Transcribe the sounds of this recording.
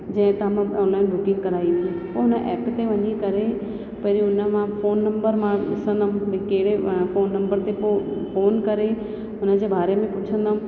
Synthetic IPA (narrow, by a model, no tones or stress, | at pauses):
d͡ʑɐ̃ɦɪ̃t̪ːmãʊ̃laːĩlʊkɪ̃ŋkːɐɾaːit̪ʰipoʊnəʔɛːpt̪eʋɐɲikɐɾe | pɐɾiʊnəmãfoːnːɐ̃mbəɾmãɗɪsə̃nd̪əmkeɦɪɽefoːnːɐ̃mbəɾt̪epofoːnkɐɾe | ʊnə̆d͡ʑeːbaːɾemẽpʊʈt͡ʃʰə̃nd̪ɦm